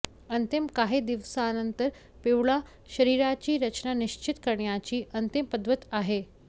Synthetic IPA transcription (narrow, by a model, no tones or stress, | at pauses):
ənt̪imkaɦed̪iʋsanənt̪əɾ | peʋɭa | ɕəɾiːɾat͡ɕiːɾət͡ɕnaniɕt͡ɕit̪kəɾɳjat͡ɕiːʔənt̪impəd̪ʋət̪aɦe